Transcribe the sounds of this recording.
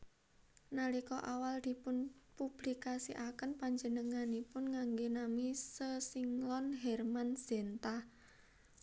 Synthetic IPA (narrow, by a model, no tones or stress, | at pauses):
nalikɔʔawald̪̥i̤pʊnpub̥likasiʔakənpaɲd͡ʒənəŋanipʊnŋaŋɡenamisəsiŋlɔnɦɛrmansent̪a